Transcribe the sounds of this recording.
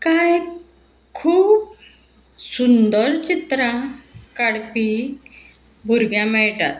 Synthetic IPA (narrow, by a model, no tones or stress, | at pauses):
kaj | kʰuːb | sund̪əɾt͡ɕit̪ɾãkaɽpi | bʱuɾɡjãmɛɭʈa̰t̪